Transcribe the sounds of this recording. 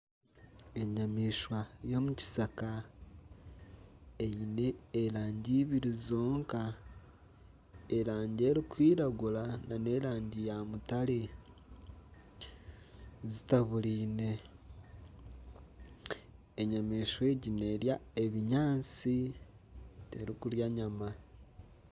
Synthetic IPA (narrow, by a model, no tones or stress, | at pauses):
e̞ɲamiʃwajo̞muci̥saka | ejine̞ːɾaːɲɟiβiɾizo̞ːŋka | eɾaːɲɟe̞ːɾikwiːɾaɡulanane̞ɾaːɲɟijamutale | zitaβuliːne̞ | eɲameʃwe̞ɟine̞ɾjae̞βiɲaːnt͡si | teɾikuljaɲama